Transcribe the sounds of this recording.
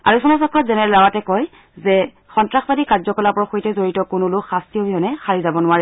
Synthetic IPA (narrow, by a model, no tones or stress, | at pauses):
a̰ɹusɔnasɔkɹɔtzɛnɛɹɛlawatɛkɔj | zɛ | xɔntɹaxbadikaɹzɔkɔlapɔɹɔxojtɛzoɹitɔkʊnulʊkxastiɦobʱiɦɔnɛxaɹizabɔnʊwaɹɛ